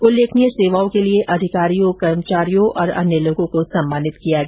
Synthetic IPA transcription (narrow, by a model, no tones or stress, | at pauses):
ʊleːkʰneseːʋaːõkelieʔɐd̪ʱɪkaːɾijõkɐɾmət͡ʃaːɾijõʔɔːɾɐ̰njəloːɡõkosɐmːaːnɪt̪kijaɡɛ